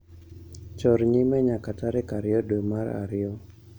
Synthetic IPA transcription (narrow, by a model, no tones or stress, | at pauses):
t͡ʃɔrɲimaɲakat̪aɾekaɾiɔdomara̰ɾiɔ